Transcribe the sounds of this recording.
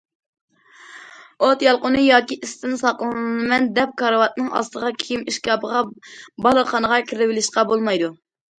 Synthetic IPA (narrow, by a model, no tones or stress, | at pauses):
ot̪jɑlˠqʊnɨjɑːkʲiʔist̪ɪnsɑqlˠɨnɨnɨnɨmɛnd̪ɛp̚kʰɑɾəwɑt̪nɨŋɑ̰st̪əʁɑkʲʰijimiʃkʲɑːpʰəʁɑbɑlˠəχɑnəʁɑkʰʲɾɪbɪlɪʃqɑbolˠmɑjd̪u